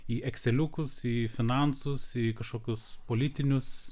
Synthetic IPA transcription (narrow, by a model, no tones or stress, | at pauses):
iʔɛksʲɛlʲʊkʊsifʲɪnɐnsʊsikɐʃkoːkʲʊspoːlʲɪt̪ʲɪnʲʊs